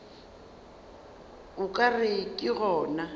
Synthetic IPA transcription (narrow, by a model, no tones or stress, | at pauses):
ʊkʼarɪkʼɪɣɔːna